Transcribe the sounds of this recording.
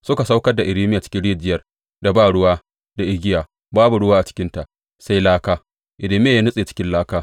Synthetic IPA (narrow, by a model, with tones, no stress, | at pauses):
sʊ˦ka˨sa˦wkɐ˦rda˨ʔɪ˨ɾiː˦mɪ˦jaː˨t͡ʃɪ̥˦kʲɪ˦nɽeː˦˨d͡ʒɪ˦jɐ˨r | da˨baː˦˨ɽʊ˦waː˦ | d̥a˨ʔɪ˦ɡʲɪ˦jaː˨ | baː˦bu˨ɽʊ˦waː˦ʔa˨t͡ʃɪ̥˦kʲɪ˦nta˨ʔ | sa˦jlaː˦kaː˦ | ʔɪ˨ɾiː˦mɪ˦ja˨jaː˦nʊ˦sʼeː˨t͡ʃɪ̥˦kʲɪ˦nlaː˦kaː˦